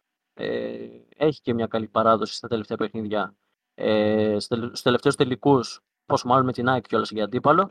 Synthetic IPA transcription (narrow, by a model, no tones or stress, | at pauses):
ḛ | e̞çi̥cemɲɐkɐlipɐɾɐðo̞si̥st̪ɐt̪e̞le̞ft̪e̞ɐpe̞xniðʝɐ | eso̥t̪eleft̪eost̪elikus | po̞smɐlonumet̪inɐcio̞lɐsʝɐd̪ipɐlo̞